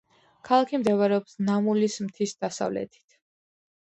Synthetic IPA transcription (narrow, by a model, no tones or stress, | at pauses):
kʰalˠakʰimd̪ɛvaɾɛɔpsnamulismt̪ʰisd̪̥asa̰vlɛ̰t̪ʰi̥t̪ʰ